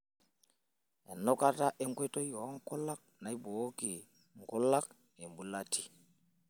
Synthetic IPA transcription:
ɛ̰˨nɔ˦ka˦ta˦ʔe˦ŋkwe˦tɔ˦jɔ˨˦ŋ˦kʊ˦la˦k̚na˨i˦boː˨˦ki˨ | ŋ˨ku˦la˦k̚ | e˨mbu˨la˦tʰi˦

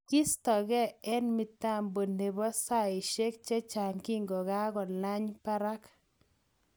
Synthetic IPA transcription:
ki˦st̪ɔ˨ɡɛ˦ɛ˦nmi˨t̪a˦˨mbo˨ne˨bɔ˦sa˦˨ɪ˨ʃe˦k̚t͡ʃɛ˦t͡ʃa˨ŋki˦ŋɡo˨ɡa˦ɡɔ˨la˦ɲpa˦ɾa˦k

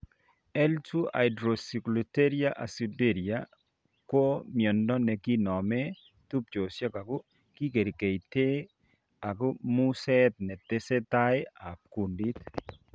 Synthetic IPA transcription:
ɛ˦ltu˦a̰˨ɪdɾo˨si˨klute˦ɾia˦ʔa̰˨si˨be˦˨ɾia˨ | kwo˦mjɔ˨ndɔ˦nɛ˨ki˦nɔ˨mɛ˦ | t̪u˦p̚t͡ʃo˨sja˦ka˨ɡʊ˦ | ki˦ke˨ɾi˨ke˨jt̪e˦ | a˨ɡʊ˦mu˦sɛ˦t̪̚nɛ˨t̪e˦se˦t̪a˦e˦a˨k̚ku˨ndi˦t̪

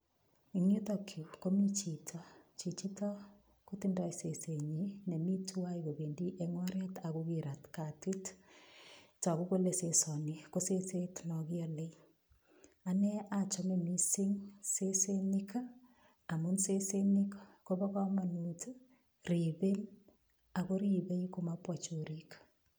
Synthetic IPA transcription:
i˨ŋu˦tokʰju˨ko˦mi˦t͡ʃi˨tʰɔ˨t͡ʃi˨t͡ʃitɔ˦ | kutindɔ˦jse˨se˨ɲine˨mi˦tua˦iko˨be˨ndi˦ʔeŋwa˦ɾja˦ta˨kukiɾa˨tka˨twi˦t | t͡ʃɔ˨ku˦ko˦lesesɔ˨niko˦sese˦tnɔ˨ki˦ɔle˦ | a˨nɛ˦at͡ʃɔmemisi˦ŋse˦senika | a˨munse˦seni˦kkobɔ˦kɔma˨nut | ribe˦n | a˨ko˦ɾibe˦ikomapwat͡ʃoɾik

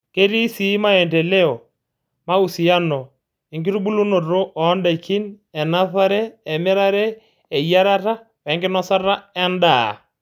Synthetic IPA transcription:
ke˦ɾi˦si˨˦ma˦ɛ˨ndɛ˨le˦ɔ˨ | ma˦u˨si˨a˦nɔ˨ | i˨ŋki˦ɾu˦bu˦lu˦no˨ɾo˦ʔɔ˨˦nda˨ki˦n | ɛ˨na˦θa˦ɾɛː˦˨mɪ˦ɾa˦ɾɛ˦ | ɛ˨ija˦ɾa˦ɾa˦ | wɛ˨˦ŋkɪ˦nɔ˦sa˦ɾa˦ɛ˦ndaː˨

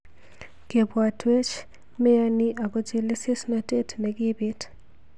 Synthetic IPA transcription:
ke˨bwa˨twe˦t͡ʃ | mɛ˦a˦ni˦ʔa˨ɡɔ˦t͡ʃɪ˦le˦sɪ˦sma˨te˦tmɛ˨ɡɪ˦bɪ˦t

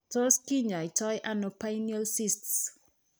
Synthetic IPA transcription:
to˦ski˦ɲa˨i˨tɔjʔa˦no˨pajniɔ˦lsi˦sts

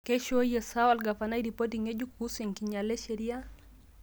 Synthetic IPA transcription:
ke˦ʃo˦jesa˦walɡa˨fana˦iɾi˨po˦tiŋe˦d͡ʒu˦k̚u˦seŋkiɲa˨le˦ʃeɾi˦a˦

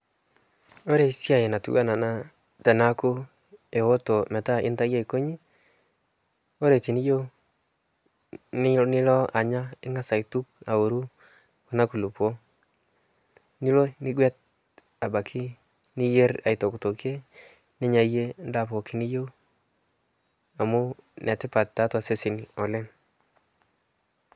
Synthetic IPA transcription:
o˦ɾe˨sja˦˨je˨na˨tṵ˦a˦na˨na˦ | tɛ˨na˦ku˦ | e˨wo˦to˨mɛ˨ta˦ɪ̰˦nta˦ja˦i˨ko˦ɲi˦ | o˦ɾe˨ti˨ni˦jo˦ | nɪ˦lɔ˦a˨ɲa˦ɪ˦ŋɡa˦sa˨i˨tu˦k̚a˨o˨ɾu˦ | ko˨na˦ku˨lu˨po˦ | ni˦lo˦nɪ˦ɡwɛ˦t̚ | a˨ba˨kʰɪ˦ | nɪ˦je˦ɾa̰˨ɪ˨to˨kto˨ke˦ | nɪ˦ɲa˨je˦nda˨po˨kɪ˨ni˦jo˦ | a˨mʊ˦nʔɛ˨tɪ˦pa˨ttːa˨˦twa˨se˦sɪ˨n˨ɔ˨lɛ˦n

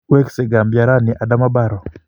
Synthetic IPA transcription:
wɛ˦ksɛ˨ɡa˨mbja˨ɾa˦nɪ˨ʔa˨da˦ma˦ba˦˨ɾɔ˨

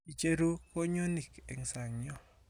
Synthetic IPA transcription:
i˨t͡ʃe˦ɾu˦ko˦ɲo˦ni˨kḛ˨ŋsa˨ŋɲɔ˦

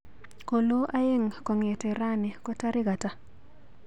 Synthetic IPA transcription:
ko˨lo˦ʔa˦je˦ŋkɔ˨ŋɛ˨tɛ˨ɾa˦nɪ˨kɔ˦ta˦ɾʔɪ˦ɡa˨ta˦

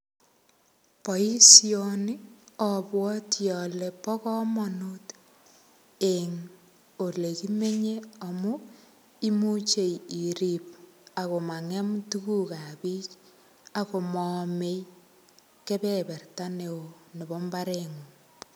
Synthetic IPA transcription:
pɔ˨i˦sioni˦ɔ˨bwɔ˦tjɔ˨lɛ˨pɔ˦kɔ˦mɔ˨nut | eŋ | o˨le˨ki˦me˦ɲe˦ɔ˨mu˦ | i˦mu˦t͡ʃe˨ji˨ɾip̚a˨ko˨ma˨ŋɛ˦mtu˦ku˦ka˨pi˦t͡ʃ | ako˨mɔme˦j | ke˦bɛ˦bɛ˨rta˦ne˨o˨ne˨bɔ˦mba˦ɾeŋu˨

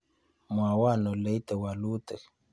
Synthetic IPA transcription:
mwa˨wa˦˨nɔ˨le˨˦i˦t̪ə˨wa˨lu˦t̪ə˨

